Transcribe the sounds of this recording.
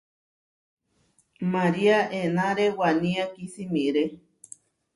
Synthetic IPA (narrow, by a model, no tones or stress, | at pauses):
maɾiaʔenãɾewanĩakisimĩɾe